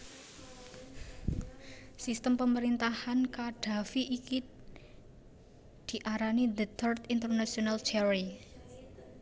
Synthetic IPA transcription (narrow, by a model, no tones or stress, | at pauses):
sist̪əmpəməɾint̪ahankaɖ̥ä̤fiʔːki | d̪̥i̤ʔaɾanid̪ət̪ʰərt̪int̪ərnasionalt͡ʃɛɾi